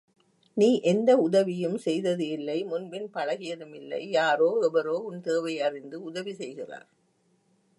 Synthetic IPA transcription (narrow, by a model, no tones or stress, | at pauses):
niːʔɛnd̪ɐʊðɐʋɪjɯmsɛjðɐðɯɪlːɐɪmʊnbɪnpɐɻɐɣɪjɐðɯmɪlːɐ̰ɪjaːɾoːɛʋɐɾoːʊnt̪eːʋɐɪɐrɪnd̪ɯʊðɐʋisɛjɣɪra̰ːɾ